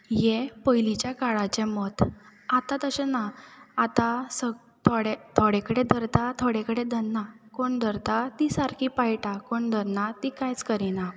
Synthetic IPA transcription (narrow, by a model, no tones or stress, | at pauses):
jɛpəjlit͡ɕjakaɭat͡ɕɛ̃mɔt̪at̪ãt̪əɕenaat̪asə | t̪ʰoɽet̪ʰoɽekəɽed̪ʱəɾt̪at̪ʰoɽekəɽed̪ʱənːakoɳd̪ʱəɾt̪at̪isaɾkipajʈakoɳd̪ʱənat̪ikajt͡skəɾina